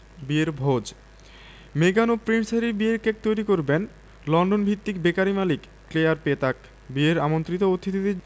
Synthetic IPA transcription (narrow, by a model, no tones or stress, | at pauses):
bieɾbʱod͡ʑ | meɡanopɾinsaɾibieɾkek̚t̪ojɾikoɾben | lɔɳɖonbʱit̪ːikbekaɾimalikːlejaɾpet̪ak | bieɾamont̪ɾit̪oot̪ʰːit̪id̪e